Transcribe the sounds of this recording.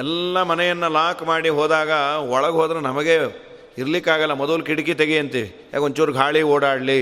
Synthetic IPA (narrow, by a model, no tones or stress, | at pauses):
ɛlːɐmɐnɛjɐnːɐlaːkmaːɽiɦoːd̪aːɡɐɔɭɐɡɦoːd̪ɾenɐmɐɡe | iɾɐlikːaːɡɐlːɐmɔd̪ɐlkiɽik̬it̪eɡeɐnt̪iʋi | ja̰ːkoɲt͡ʃuːɾuɡʱaːɭioːɽaːɽli